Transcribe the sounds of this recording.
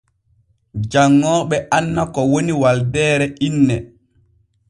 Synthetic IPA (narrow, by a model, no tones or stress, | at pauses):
d͡ʒaŋːɔːɓɛʔanːakɔwoniwaldɛːɾɛʔinːɛ